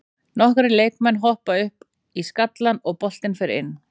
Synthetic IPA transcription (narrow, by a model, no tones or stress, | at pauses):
nɔhkɾɪleːjkmɛnːɦɔhpaʏhp | iskat̪lanɔɣpɔl̥t̪ɪnfɪɾɪɾɪ̰nː